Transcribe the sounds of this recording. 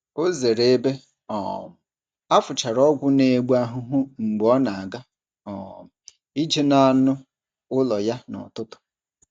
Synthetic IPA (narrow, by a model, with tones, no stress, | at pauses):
o˦ze˨ɾe˨e˦be˦ | ɔ̰˨m̩˨ | a˦fʊ˨t͡ʃa˨ɾɔ˦ɡʷʊ˦ne˨ɡ͡ba˦ɦʊ˦ɦʊ˦ŋ͡m̩˨ɡ͡bɔ˦na˨a˨ɡa˦ | ɔ̰˨m˨ | i˦d͡ʒe˦na˦˨nʊ˦ | ʊ˦lɔ˨ja˦nɔ̰˨tʊ˦tʊ̥˨